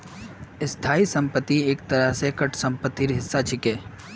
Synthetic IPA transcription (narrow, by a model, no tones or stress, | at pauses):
ɪst̪ʰaːisə̃mpət̪ːieːk̚t̪əɾəɦsekəʈʰsə̃mpət̪ːiɾɦɪsːat͡ʃʰɪkeː